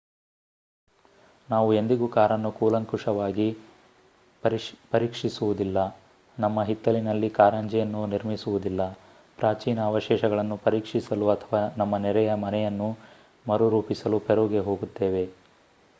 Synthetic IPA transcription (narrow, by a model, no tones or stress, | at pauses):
naːʋue̞nd̪iɡukaːɾɐnːukuːlɐŋkuʂɐʋaːɡi | pɐɾiːkʂisuʋud̪ilːɐ | nɐmːɐɦit̪ːɐlinɐlːikaːɾɐɲd͡ʒɛjɐnːuniɾmisuʋud̪ilːɐ | pɾaːt͡ʃiːnɐːʋɐʃɛːʃɐɡɐɭɐnːupɐɾiːkʂisɐluɐt̪ʰɐʋaːnɐmːɐnɛɾɛjɐmɐnɛjɐnːu | mɐɾuɾuːpisɐlupʰeɾuːɡe̞ɦo̞ːɡut̪ːeːʋe̞